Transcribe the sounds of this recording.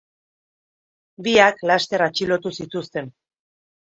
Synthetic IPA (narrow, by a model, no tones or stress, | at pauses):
biaklast̪e̞ɾat͡ʃilo̞t̪usit̪ust̪e̞n